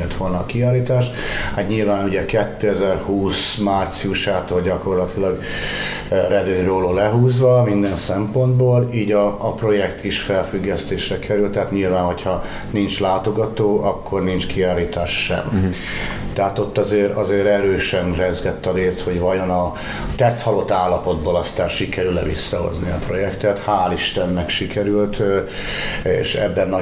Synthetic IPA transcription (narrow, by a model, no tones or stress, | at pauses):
ɛlt̪ʋolnɒkiaːliːt̪aːʃ | hat̪ɲilvaːnuɟɛkɛt̪ːøːɛzɛrhuːsmaːrt̪siuʃaːt̪oːlɟɒko̞rlɒt̪ilɒɡ | rɛd̪øːɲroːloːlɛɦuːzʋɒmind̪ɛnsɛmpo̞nd̪boːliːɟɒːpro̞jɛkt̪ʰiʃfɛlfyɡːɛst̪eːʃrɛkʰɛɾylt̪ɛɦaːt̪ɲilvaːnho̞cʰhɒ | nint͡ʃlaːt̪o̞ɡɒt̪oːʔɒkːo̞rnint͡ʃkiaːliːt̪aːʃʃɛ̰m | t̪ɛɦat̪o̞t̪ːɒzeːɾɒzeːɾɛɾøːʃɛnrɛzɡɛt̪ːɒɾeːst̪ho̞ɟvɒjonɒ | t̪ɛt̪shɒlo̞t̪ːaːlːɒpo̞d̪̚boːlɒst̪aːrʃikɛɾylɛ̰vḭsːɒɦo̰zniɒpro̞jɛkt̪ɛt̪haːliʃt̪ɛnːɛkʃikɛɾylt̪ | ḛːʃɛ̰bːɛnːɒ